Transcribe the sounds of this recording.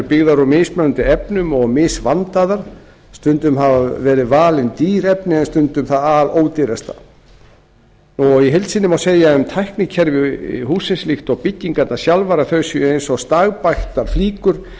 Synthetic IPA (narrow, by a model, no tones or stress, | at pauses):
ɾpɪɣðaɾɔmɪsmœnnt̪ɪɛpnʏmɔɣmɪːsvant̪aðaɾ̥ | st̪ʏnt̪ʏmɦavavɛːɾɪðvaːlɪnt̪iːɾɛpnɪɛnst̪ʏnt̪ʏmθaðaloːwt̪ɪɾast̪a̰ | ɔɣiɦejlt̪siːnːɪmawseːjaʏmt̪ʰajhknɪcʰɛɾvɪɦhuːsɪnslixt̪ɔɣpɪcːiŋkat̪nḁsjalvaɾaθœɥsjejnsɔɣst̪aːɣpajxt̪aɾ̥fliːkʏɾ̥